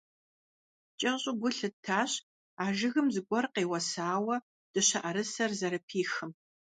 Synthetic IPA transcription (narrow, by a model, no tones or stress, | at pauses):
t͡ʃʼɐɕʼʊɡʷʊɬɨtʰːaːɕ | aːʒɨɣɨmzɨɡʷʼɔrqeːwɐsaːwɐ | d̥ɨɕɐʔɐɾɨsɐrzɐɾɐpʰiːxɨm